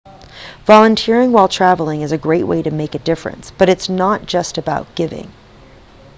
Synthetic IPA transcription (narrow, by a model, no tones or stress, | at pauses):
vɑlˠə̃ntʰɪɹɪ̃ŋwaɪlˠtʰɹ̥ævl̩ˠɪ̃ŋɨzɨɡɹeɪʔ̚wʔḛɪɾɨmeɪkɨdɪfɹɨ̰̃nsb̥ʌɾɨtsnət̚d̥ʒ̥ʌstɨbaʊt̚ɡ̥ɪvɪ̰̃ŋ